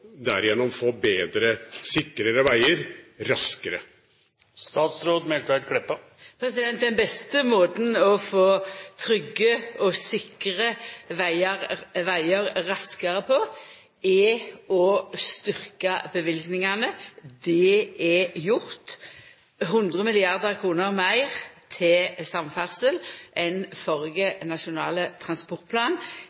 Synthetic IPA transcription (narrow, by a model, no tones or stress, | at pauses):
d̪æ̰ɾɪjɛnɔmfoːbeːd̪ɾəsɪkːɾəɾəʋæɪəɾɾɑskəɾə̰ | st̪ɑːt̪sɾoːd̪mɛlt̪ɾæd̪kʰɽɛpːə | pʰɾɛsɪd̪ɛnt̪̚d̪ɛnbɛst̪əmoːt̪n̩ɔfoːt̪ʰɾʏɡːəɔsɪkʁəʋæɪəʁʋæɪəɾɾɑskɑʁəpʰɔ | ɛɔst̪ʏʁkɑbəʋɪlɡnɪŋɑnəd̪ɛɛjʊʁt̪ | ɦʉnd̪ʁəmɪlɪɑʁd̪əʁkʰʁuːnəʁmæɪʁt̪ʰɪlsɑmfæʁsəlʔɛnfɔʁɡənɑʃʊnɑ̰ːlət̪ʰɾɑnspɔʁt̪̚pʰlɑːn